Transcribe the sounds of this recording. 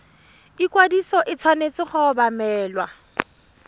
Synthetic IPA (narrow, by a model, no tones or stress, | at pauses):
ikʼwadisɔʔɪt͡sʰwanet͡sʼɪχʊbamɛːlwa